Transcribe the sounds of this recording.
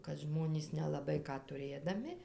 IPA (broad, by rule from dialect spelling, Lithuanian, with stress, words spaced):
kɐt ˈʒmoːnʲiːs nʲɛlˠɐˈbɐɪ ˈkɑː tʊˈrʲeːdɐmʲɪ